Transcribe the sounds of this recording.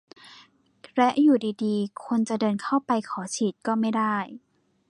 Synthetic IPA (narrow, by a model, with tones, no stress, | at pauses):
lɛ˦˥ʔjuː˨˩diː˧diː˧kʰo˧nt͡ɕa˨˩dɤː˧nkʰa˥˩wpa˧jkʰɔː˩˦t͡ɕʰiː˨˩t̪̚kɔː˥˩ma˥˩jdaː˥˩j